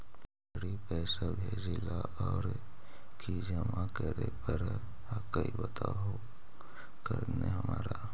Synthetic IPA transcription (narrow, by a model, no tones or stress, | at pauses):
ɾipɛːsabʱeːd͡ʒelaʔɔːɾ | kʰid͡ʒəmakəɾepəɾ | kəibət̪ʰaɦo | kəɾneɦəmaːɾa